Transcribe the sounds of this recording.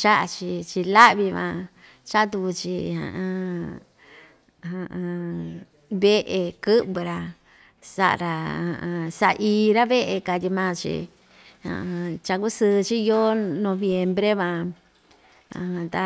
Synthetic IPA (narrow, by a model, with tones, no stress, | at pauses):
t͡ʃa˦ʔt͡ʃi˧t͡ʃi˧la˦ʔβi˧βã̰˧ | t͡ʃa˦t̪u˧ku˧t͡ʃi˧hã̰˧ʔã˧ | hã˧ | βe˦ʔe˧kɨ˦ʔbɨ˧ɾa˧ | sa̰˧ʔɾa˧ã˧sa˧ʔi˧ɾa˦βe˦ʔe˧ka˧t̪ʲi˧mãː˦t͡ʃḭ˧ | hã̰˧t͡ʃa˧ku˦sɨː˧t͡ʃi˦jo˦nõ˧βje˧mbɾe˦βã˧ | ã˧t̪a˧